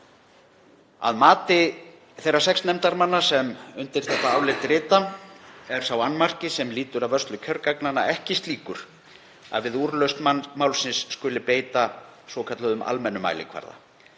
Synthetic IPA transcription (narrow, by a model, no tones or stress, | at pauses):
a̰ðmaːt̪ɪ | θejrːasɛksnɛmt̪aɾmanːasɛmʏnt̪ɪɾ̥θɛht̪aawlɪt̪ɾɪːt̪aɛɾ̥sawanːmar̥cɪsɛmliːt̪ʏɾaðvœrst̪lʏcʰœɾkaknanːa̰ɛhcɪst̪liːkʏɾ̥ | a̰ðvɪðuːɾlœɥst̪manmawlsɪnsːkʏlɪpeːjt̪asvɔkʰat̪lœðʏmʔa̰lmɛnːʏma̰jlɪ̰kʰva̰ɾða̰